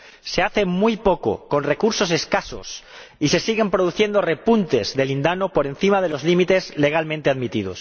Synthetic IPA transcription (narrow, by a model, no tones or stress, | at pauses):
se̞aθe̞mujpoko̰ko̞nre̞kuɾso̞se̞skaso̞̰s | ise̞siɣ̞e̞mpɾoð̞uθje̞nd̪o̞re̞punt̪e̞zðe̞lind̪anopoɾe̞nθimað̞e̞lo̞zlimit̪e̞zle̞ɣ̞almẽnt̪eaðmit̪ið̞o̞̰s